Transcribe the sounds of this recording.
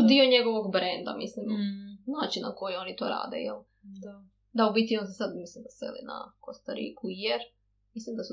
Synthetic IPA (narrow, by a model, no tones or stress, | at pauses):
d̪ioɲe̞ɡo̞ʋoɡbɾend̪a̰mḭslimnaːt͡ʃinːako̞jio̞nit̪o̰ɾa̰ːd̪ḛjel | d̪aubit̪io̞nsesad̪mislimd̪asḛlḭna̰ko̞st̪aɾḭkujeɾ | mislimd̪asu